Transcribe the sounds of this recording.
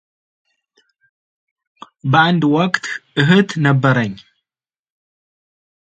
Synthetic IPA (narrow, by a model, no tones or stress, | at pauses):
bɨʕand̪wɔkt̪ʔɨɦɨt̪nɐbːɐɾɐɲ